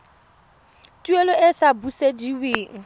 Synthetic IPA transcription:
tʼuelɔɪsabusediweːŋ̩

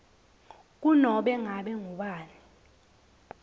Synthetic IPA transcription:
k̬unɔɓɛŋaɓɛŋuɓaːni

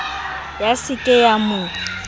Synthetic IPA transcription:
jasɪkʼɛjamʊ

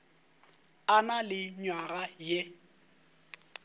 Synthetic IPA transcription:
analɪɲwaɣaje

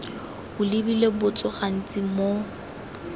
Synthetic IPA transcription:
ʊlɪbilebʊt͡sʼʊχan̩t͡sʼɪmo

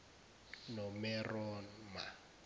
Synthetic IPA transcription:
nɔmɛrɔnma̰

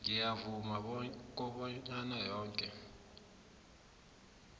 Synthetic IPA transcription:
ŋijavumak̬ʼɔɓɔɲanajɔːŋkʼɛ

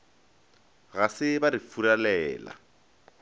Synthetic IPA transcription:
ɣasɪbaɾifuɾalɛːla̰

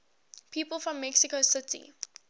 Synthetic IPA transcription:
pʰiːpəlˠfɹɔ̃mːɛksikosɪtḭ

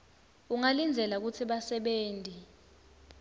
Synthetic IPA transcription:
uŋalind͡zʱɛlak̬ut͡sʰiɓasɛɓeːndʱi

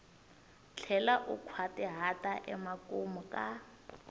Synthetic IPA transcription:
t͡ɬʰɛlaʔukʰwatɛɦatʼaʔɛmakomukʼa

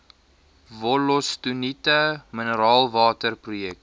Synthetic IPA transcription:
vɔlɔstunitəmənəɾɑːlˠvɑːtərprujɛk̚t

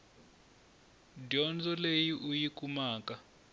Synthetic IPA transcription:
dɔnd͡zɔlejiʔujikumaːka

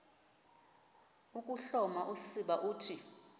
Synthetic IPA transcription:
ukʼuɬɔmaʔusiɓaʔuːtʰi

